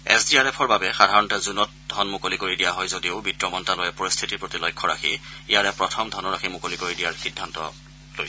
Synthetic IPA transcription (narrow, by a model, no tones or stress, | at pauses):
ɛ̰sdiaɹɛpʰɔɹbabɛxadʱaɹɔntɛzunɔt̚d̥ʱɔnmʊkolikoɹidijaɦɔjzodiʊbitɹɔmɔntalojɛpoɹist̪ʰitipɹotilɔjkʰːɔɹa̰xʰḭijaɹɛpɹɔtʰɔmdʱɔnɔɹakʰimʊkolikoɹidijaɹxidʱːantɔ̰ | lojs